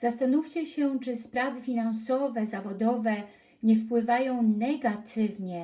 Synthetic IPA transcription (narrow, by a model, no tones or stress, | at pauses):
z̥ast̪anuft͡ɕɛɕɛt͡ʂɘspɾavɘfʲinansɔvɛzavɔd̪ɔvɛ | ɲɛfpwɘvajɔ̃w̃nɛɡat̪ʰɘvɲɛ